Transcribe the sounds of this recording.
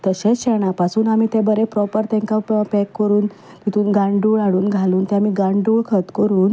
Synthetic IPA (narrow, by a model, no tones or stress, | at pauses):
t̪əɕet͡sɕeɳ̃apasuːnamiːt̪ebəɾepɾɔpəɾt̪ɛ̃ŋkappɛkːəɾuːn | t̪it̪uːnɡãɳɖuːɭaɽuːnɡʱaluːnt̪ɛamiːɡãɳɖuːɭkʰət̪kəɾuːn